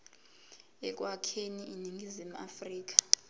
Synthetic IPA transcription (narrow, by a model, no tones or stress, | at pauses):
ɛk̬ʼwakʰeniʔiniŋɡʱizimua̰friːk̬ḁ